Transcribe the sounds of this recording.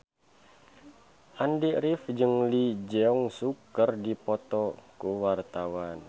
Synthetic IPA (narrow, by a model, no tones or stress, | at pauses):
ʔandiɾifd͡ʒɨŋlid͡ʒɛɔŋsukərdipɔt̪ɔkuwart̪awan